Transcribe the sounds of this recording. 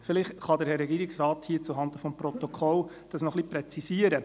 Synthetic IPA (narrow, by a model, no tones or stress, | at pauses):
fɪlɪχχɑdəɾhɛɾɛɡiːɾɪksrɑːthiːt͡suɦɑnd̪əfɔmpɾɔt̪ɔkʰɔl | d̥ɑsnɔχlipɾɛt͡sisiəɾə